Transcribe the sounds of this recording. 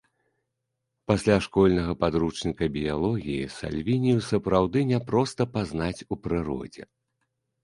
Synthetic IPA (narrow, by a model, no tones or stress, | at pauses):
pasʲlʲaʂkɔlʲnɐɣɐpad̪ɾut͡ʂnʲikɐbʲijalˠɔɣʲijḭsa̰lʲvʲinʲijusɐpɾawd̪ɨnʲɛpɾɔst̪ɐpaznat͡sʲupɾɨɾɔ̰d͡zʲɛ̰